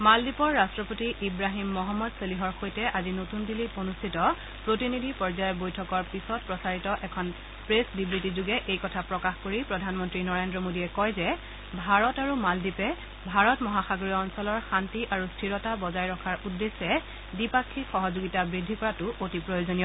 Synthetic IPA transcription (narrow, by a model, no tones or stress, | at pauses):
maldipɔɹːastɹɔpotiʔibɹaɦimːɔɦɔmːɔdseliɦɔɹxojtɛʔazinotundilionustʰitɔ | pɹotinidʱipɔɹzajɔbojtʰɔkɔɹpisɔt̚pɹɔsaɹitɔʔɛkʰɔn | pɹesdibɹitizuɡɛʔejkɔtʰapɹɔkaxkoɹipɹɔdʱanmɔntɹinɔɹendɹɔmodiɛkɔjzɛ | bʱaɹɔtaɹumaldipɛ | bʱaɹɔtmɔɦaxaɡoɹiɔnsɔlɔɹxantiʔaɹustʰiɹɔtabɔzajɹɔkʰaɹudːesːɛ | dipakʰːixɔɦɔzoɡitabɹidʱːikɔɹatʊʔotipɹojozonijɔ